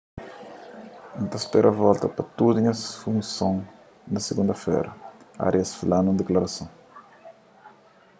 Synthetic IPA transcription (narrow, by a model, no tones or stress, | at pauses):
ũnt̪ɐspɛɾʔɐvɔlt̪ɐpɐt̪ud̪ʊĩɲɐsfũŋsõŋ | nɐseɡũnd̪ɐfɛ̰ɾɐa̰ɾiɐsfilanũnd̪eklɐɾɐsõw̃